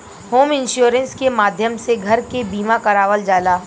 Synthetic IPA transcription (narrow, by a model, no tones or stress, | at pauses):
hoːmɪ̃nʃuːɾə̃nskemaːd̪ʱjəmseɡʱɐɾkebiːmakɐɾaːʋəld͡ʒaːlaː